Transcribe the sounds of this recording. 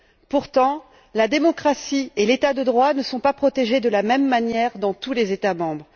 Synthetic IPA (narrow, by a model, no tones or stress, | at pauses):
puʁt̪ɑ̃ | lad̪emɔkχasielet̪ad̪əd̪ʁwanəsɔ̃papχɔt̪eʒed̪əlamɛmːanjɛʁd̪ɑ̃t̪ulezet̪amɑ̃bʁ